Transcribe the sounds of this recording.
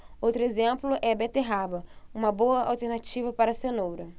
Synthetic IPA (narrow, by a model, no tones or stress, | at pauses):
owt̪ɾʊezẽmplʊʔɛbɛt̪eɦabɐũmɐboɐa̰wt̪eɾnat͡ʃivɐpaɾɐsenowɾɐ